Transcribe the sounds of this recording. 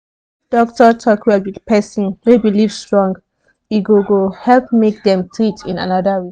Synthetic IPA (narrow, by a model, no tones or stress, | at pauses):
d̥ɔktɔtʰɔkʰwɛldwidpʰɛsɔ̃nhubilivstɹɔ̃ŋɡ | iɡoɡohɛlpmek̚dɛ̃mtʰɹitʰĩna̰nadawe